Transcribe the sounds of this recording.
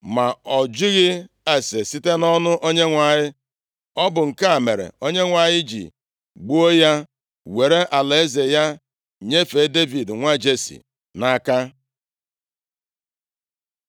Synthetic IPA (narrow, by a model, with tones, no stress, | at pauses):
ma˨ɔ˨d͡ʒi˦ɣɪ˦ | a˨se˨si˦te˦nɔ˦nʊ˦ʔo˦ɲe˦ŋʷa˨ɲɪ˦ | ɔ˦bʊ˨ŋ̩˨ka˦a˨me˨ɾḛ˨o˦ɲe˦ŋʷa˨ɲɪ˦d͡ʒḭ˨ | ɡ͡bu˦o˦ja˦ | we˨ɾe˦ʔa˨le˨e˦ze˨ja˦ | ɲe˦fe˨˦de˦vi˨dŋʷa˦d͡ʒe˦sḭ˨ | na˦ka˦